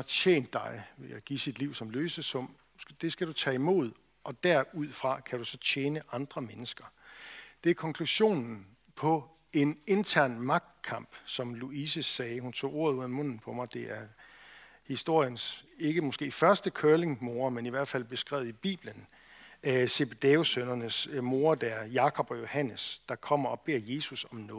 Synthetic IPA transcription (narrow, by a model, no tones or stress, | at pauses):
ɑḛːnd̥ːɑ̈ɪʋe̝jæɪɡ̥isid̥liʊ̰sɒ̽mløːsəsɔ̽m | d̥e̝sɡ̥æd̥ut͡sʰɛ̰ːimo̝̰ð̞̰ˠ | ʔɒ̽d̥æɐ̰uð̞̰ˠfʁɑ̈kʰæɾ̥usɒ̽t͡ɕʰeːnəʔɑ̈nd̥ʁɐmenəsɡ̥ɐ | d̥e̝æɐkʰɒ̽ŋkʰluɕo̝̰ːnn̩ | pʰɒ̽ | e̝ne̝nt͡sʰæɐ̰nmɑ̈ɡ̥̚d̥̚kʰɑ̈m̰b̥sɒ̽mluisəsɛːhunt͡sʰo̝̰ːo̝ɐ̰ðˠuð̰ˠæmɔ̽n̰n̩pʰɒ̽mɑ̈ɪd̥e̝ʔæɐ | hisd̥o̝ɐ̰jənse̝ɡ̥əmɒ̽sɡ̥e̝̰ːfɶɐsd̥əkʰøɐle̝ŋmo̝ːɐmeniʋæɐ̰d̥fæl̰b̥e̝sɡ̥ʁɛ̰ʊð̩ˠib̥ḭːb̥lən | se̝b̥ed̥eːo̝sønɐnəsmo̝ːɐd̥æɐjɑ̈kʰɒ̽b̥ɒ̽jo̝hæn̰əsd̥ɑ̈kʰɒ̽m̰ɐɒ̽b̥e̝ɐ̰je̝ːsusɒ̽mnɔ̽ː